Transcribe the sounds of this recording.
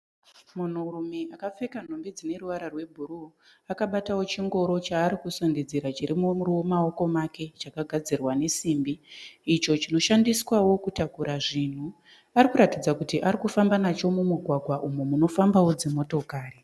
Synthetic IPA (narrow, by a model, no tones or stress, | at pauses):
mun̤urumeʔakap͡fe̞kan̤ombid͡zine̞ruʋaɾarwe̞bʱuɾu | akaɓatawo̞t͡ʃiŋɡo̞ɾo̞t͡ʃaːɾikusondid͡ziɾat͡ʃiɾimumuriwo̞mao̞ko̞make̞t͡ʃakaɡʱad͡zirwane̞simbiːt͡ʃo̞t͡ʃino̞ʃandiswawo̞kutakuɾaʐin̤u | aɾikuɾatid͡zakutiʔaɾikufambanat͡ʃo̞mumuɡʱwaɡʱwaʔumumuno̞fambawo̞d͡zemo̞to̞kaːri